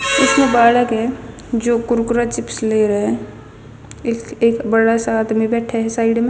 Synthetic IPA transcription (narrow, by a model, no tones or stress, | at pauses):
ʊsmẽbaːləkɦɛ | d͡ʒoːkʊɾkʊɾat͡ʃɪpsleɾɐɦe | eːkbəɽasaːt̪mẽbɛːʈʰɛɦsaːɪɖmẽ